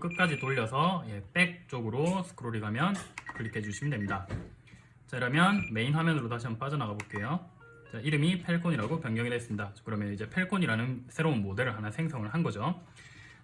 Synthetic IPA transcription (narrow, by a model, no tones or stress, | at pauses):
k͈ɯt̚k͈ad͡ʑitoʎːʌsʰʌjep͈e̞k̚t͡ɕ͈oɡɯɾosʰɯ̥kʰɯɾoɾiɡamjʌnkɯɭikʰed͡ʑuɕʰimɯdwemɲida | t͡ɕaiɾʌmjʌnme̞inɸamjʌnɯɾot̬aɕʰiamnp͈ad͡ʑʌnaɡabok͈e̞jo | t͡ɕaiɾɯmipʰe̞ɭkʰoɲiɾaɡopjʌŋɡjʌŋidwes͈ɯmɲidakɯɾʌmjʌnid͡ʑe̞pʰe̞ɭkʰoɲiɾanɯnsʰe̞ɾounmodɯɾɯɭɦanasʰe̞ŋsʰʌŋɯɭɦanɡʌd͡ʑo